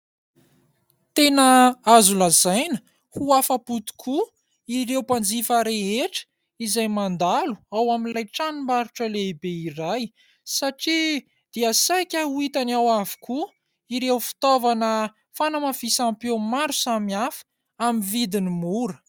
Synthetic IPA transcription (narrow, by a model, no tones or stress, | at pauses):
t̪enəazulazajnə̥ | huafaput̪u̥kʰu | iɾewpand͡zifəɾeɦeʈ͡ʂə̥ | izajmand̪alu̥awaminlajʈ͡ʂanimaɾuʈ͡ʂəleibeiraj | saʈ͡ʂi | d̪̥iasajkʲəuit̪anawavi̥ku | iɾewfi̥t̪ovanə | fanəmafisampomaɾu̥samiafə̥ | amivid̪inimuɾə